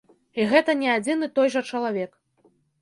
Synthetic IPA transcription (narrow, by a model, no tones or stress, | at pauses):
iɣɛt̪ɐnʲɛad͡zʲinɨt̪ɔjʐɐt͡ʂɐlˠavʲɛk